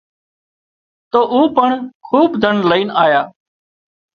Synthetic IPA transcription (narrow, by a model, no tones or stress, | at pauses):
t̪oːʔuːpəɳkʰuːbd̪ʱəɳləiːnaːjaː